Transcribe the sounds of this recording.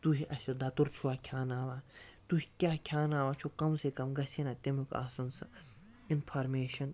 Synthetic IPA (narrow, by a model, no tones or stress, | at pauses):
t̪uɦiʔɐsʲɐd̪ɐt̪uɾt͡ʃʰuaːkʲʰaːnaːʋaːt̪uɦikʲaːkʲʰjaːnaːʋaːt͡ʃʰokɐmsekɐmɡɐsʰenat̪imuka̰ːsɐnsɐ | inpʰaːɾmeːʃɐn